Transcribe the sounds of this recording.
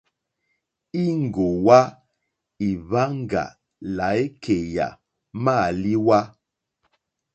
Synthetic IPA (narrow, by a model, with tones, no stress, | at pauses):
i˦ŋ˨ɡo˨wa˦ | i˨βa˦ŋ˦˨ɡa̰˨ | la˨e˦kʰe˨ja̰˨ | ma˦˨li˦wa˦